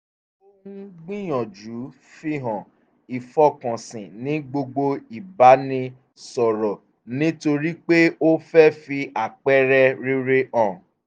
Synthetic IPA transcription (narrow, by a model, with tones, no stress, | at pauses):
o˦ũ˦ɡ͡bĩ˦j̃ɔ̃˨d͡ʒu˨˦ | fi˦ɦɔ̃˨ | i˨fɔ˦˨kɔ̃˨sĩ˨nĩ˨˦ɡ͡bo˧ɡ͡bo˧i˨ba˨˦nĩ˦ | sɔ˨ɾɔ˨ | nĩ˦to˧ɾi˦k͡pe˦o˦fɛ˦fi˧a˨k͡pɛ˦ɾɛ˦ɾi˦ɾe˦ʔɔ̃˨